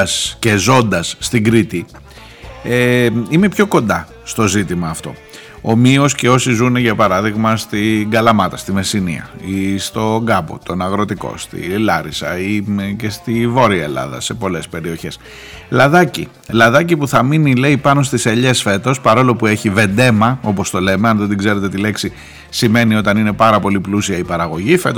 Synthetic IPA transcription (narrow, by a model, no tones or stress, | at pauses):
sce̞zo̞nd̪ɐsːt̪iɡɾit̪i | eime̞pço̞ko̞nd̪ɐ | st̪o̞zit̪imɐːft̪o̞ | omio̞sce̞o̞sizuneʝɐpɐɾɐðiɣmɐst̪iŋɡɐlɐmɐt̪ɐst̪ime̞sinḭɐ̰ist̪o̞ŋɡɐbo̞̰t̪o̞nɐɣɾo̞t̪iko̞̰st̪ḭlɐɾisɐ̰ice̞st̪ivo̞ɾiɐelɐ̰ðɐ̰se̞po̞le̞spe̞ɾio̞çe̞s | lɐðɐcḭ | lɐðɐcipuθɐminile̞ipɐno̞st̪iseʎe̞sfe̞t̪o̞spɐɾo̞lo̞pue̞çive̞nd̪e̞mɐo̞po̞st̪o̞le̞me̞ɐnðot̪iɡze̞ɾet̪e̞t̪ile̞ksi | sime̞nio̞t̪ɐnine̞pɐɾɐpo̞liplusiɐipɐɾɐɣo̞ʝife̞t̪